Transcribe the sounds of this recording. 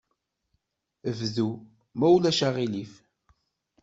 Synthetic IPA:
əvðu | mæwlæʃaʁilif

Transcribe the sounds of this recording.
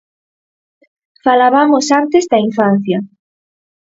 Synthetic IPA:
falaβamosant̪ezd̪aiɱfan̟θja

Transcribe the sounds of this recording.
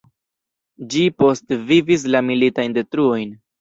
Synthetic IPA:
d͡ʒipo̞stvivis̬lamilitajnde̞tɾuo̞jn

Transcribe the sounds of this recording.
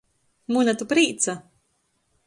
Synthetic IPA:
munat̪upɾiːt̪sa

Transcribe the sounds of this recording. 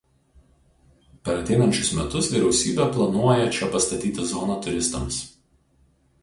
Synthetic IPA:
pʲɛɾɐt̪ʲɛɪnɐnʲt͡ʃʲʊsmʲɛt̪ʊsʋʲiːɾʲɛʊsʲiːbʲeplˠɐnuɔjɛt͡ʃʲɛpɐst̪ɐt̪ʲiːt̪ʲɪzɔːnɑt̪ʊɾʲɪst̪ɐ̰ms

